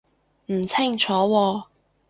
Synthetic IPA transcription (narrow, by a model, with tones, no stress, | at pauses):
m̩˨˩t͡sʰa˥˩ŋt͡ʃʰɔː˨˥wɔː˧˩